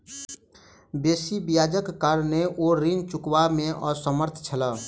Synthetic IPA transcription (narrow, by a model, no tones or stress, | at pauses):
beːsibijaːd͡ʒəkːaɾneʔoɾint͡ʃukwamẽʔɔːɾsəməɾt̪ʰt͡ʃʰələ